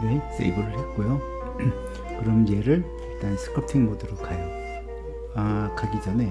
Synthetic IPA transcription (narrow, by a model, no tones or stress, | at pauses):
ɾeɦes͈ḛbɯɾɯɭɦe̞t̚k͈ojo | kɯɾʌmje̞ɾɯɭ | iɭt͈ansʰɯ̥kʰɯp̚tʰiŋmodɯɾokʰajʌ | akaɡid͡ʑʌne